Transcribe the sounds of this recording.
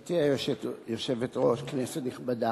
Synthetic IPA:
teajoetjoʃevet̪ʁo̞ʃknesetniχbada

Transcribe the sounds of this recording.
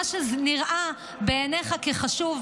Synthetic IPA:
aʃezniʁʔa | beːneχakeχaʃuv

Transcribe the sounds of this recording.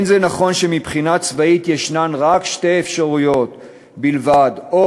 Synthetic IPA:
nzenaχo̞nʃe̞mipχinat͡svaitjeʃnanʁakʃtejefʃaʁujo̞t̪ | bilvado

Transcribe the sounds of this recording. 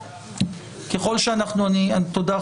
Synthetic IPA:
ke̞χo̞lʃeanaχnuaniat̪od̪a

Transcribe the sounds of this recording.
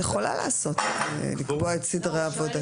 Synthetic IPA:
jeχo̞la̰la̰ːso̞t̪elikboaetsidʁeavo̞da

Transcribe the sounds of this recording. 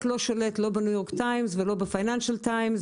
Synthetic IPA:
tlo̞ʃoletlo̞benujo̞ʁktajmzvelo̞befajnanʃaltajmz

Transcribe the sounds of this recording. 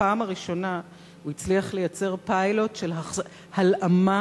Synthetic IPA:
aːmaʁiʃo̞na | uit͡sliaχle̞jat͡se̞ʁpajlo̞tʃelɦa | halʔama

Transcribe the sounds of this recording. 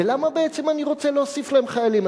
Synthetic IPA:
elamabee̞t͡semaniʁo̞t͡seleosiflaemχajalima

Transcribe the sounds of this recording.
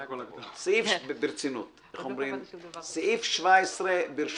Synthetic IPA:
sɪɪfʃbbɪɾt͡sɪnʊt | ɪχhɔmbɾɪnsɪɪfʃvaɪsɾəbɪɾʃ

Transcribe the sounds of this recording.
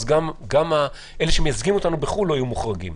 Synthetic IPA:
zɡamɡama | ele̞ʃemejazɡimo̞t̪anubeχulːoajumuχʁaɡḭm

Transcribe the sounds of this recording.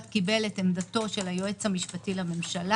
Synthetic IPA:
t̪kibe̞let̪emd̪at̪o̞ʃe̞lajoet͡shamiʃpatilame̞mʃala

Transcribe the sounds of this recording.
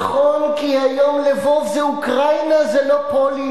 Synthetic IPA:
χonkihajomlevo̞vzeukʁajnazelopoli

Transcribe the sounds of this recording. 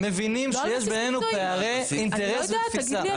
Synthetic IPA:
mevinimʃejeʃbenenupeaʁeint̪eʁesvefit͡sa

